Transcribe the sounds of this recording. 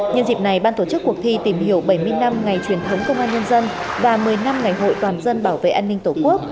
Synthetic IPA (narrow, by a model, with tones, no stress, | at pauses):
ɲə˧nzi˨˩p̚na˨˩jɓaː˧nt̪o˧˩t͡ɕɨ˦˥k̚ːu˨˩ək̚t̪ʰi˧t̪i˧˩mhi˧˩əwɓə˧˩jmɨ˧ə˧jna˧mŋa˨˩jt͡ɕwi˨˩ənt̪ʰə˨˦wŋ͡mkə˧wŋ͡mʔaː˧nɲə˧nzə˧n | vaː˨˩mɨ˨˩əjna˧mŋa˨˩jɦo̰˧˨jt̪waː˨˩nzə˧nɓaː˧˩wvḛ˧˨ʔaː˧nːï˧ŋ̟t̪o˧˩ku˦˥ək̚